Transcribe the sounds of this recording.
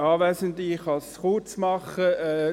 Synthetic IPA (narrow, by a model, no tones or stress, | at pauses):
ɑːʋɛːsəndiχɑsχʊt͡smɑχəɛː